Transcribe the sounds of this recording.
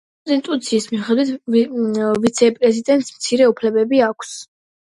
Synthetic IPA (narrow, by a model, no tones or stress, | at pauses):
zint̪ʼut̪sʰiːsmiχɛd̪wit̪ʰ | vit̪sʰɛpʼɾɛzid̪ɛnt̪ʼsmt̪sʰiɾɛupʰlɛbɛbiakʰs